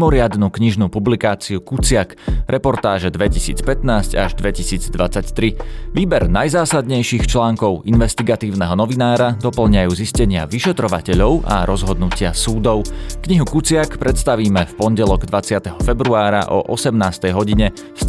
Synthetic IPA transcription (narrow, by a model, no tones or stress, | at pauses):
mɔɾɪad̪nukɲiʒnupublikaːt͡siukut͡sɪakɾʔɛpɔɾt̪aːʒɛd̪ʋɛcisḭːt͡spɛt̪naːsca̰ʒd̪ʋɛcisiːd͡zd̪ʋat͡sact̪ɾiʋiːbɛɾnajzaːsad̪ɲɛjʃixt͡ʃlaːŋkɔʊinʋɛst̪iɡat̪iːʊnɛɦɔnɔʋinaːɾad̪ɔpl̩ɲajuːziscɛɲɪa̰ʋiʃɛt̪ɾɔʋacɛʎɔʊʔa̰ɾɔzɦɔd̪nucɪasuːd̪ɔʊkɲiɦukut͡sɪakpɾɛt̪st̪aʋiːmɛfpɔnɟɛlɔɡd̪ʋat͡sɪat̪ɛɦɔfɛbɾuaːɾa̰ʔɔ̰ʔɔsɛmnaːst̪ɛjɦɔɟiɲɛ | s